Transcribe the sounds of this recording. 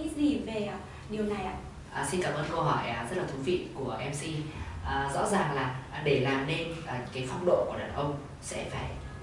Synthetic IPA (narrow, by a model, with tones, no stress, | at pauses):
i˦˥i˧˦veː˨˩˨ | ɗi˨˩əwna˨˩jʔa̰ː˧˨ | ʔəː˨˩si˧nkaː˧˩mʔəː˧nkə˧wɦɔ˧˩jːzə˦˥t̚la˨˩t̪ʰu˨˦vḭ˧˨ku˧˩əʔɛ˧msi˧ʔːzɔ̰˧˥zaː˨˩ŋlaː˨˩ɗe˧˩laː˨˩mne˧nʔaː˨˩kaː˨˦jfa˧wŋ͡mɗo̰˧˨ku˧˩əɗaː˨˩nʔə˧wŋ͡m | sɛ̰˧˥faː˧˩j